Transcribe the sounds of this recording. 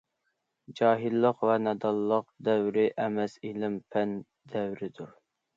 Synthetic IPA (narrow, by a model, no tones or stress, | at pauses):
d͡ʒɑːɦilˠːəqvɛnɛd̪ɑlˠːəq̚d̪ɛwɾɪʔɛmɛsilɪmpʰɛn | d̪ɛwɾɪd̪uɾ